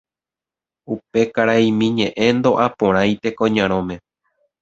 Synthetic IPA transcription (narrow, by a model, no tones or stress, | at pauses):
upe̞kaɾaimĩɲẽʔẽ̞nd̪o̞ʔapõɾ̃ãjt̪e̞kõɲãɾ̃õmẽ̞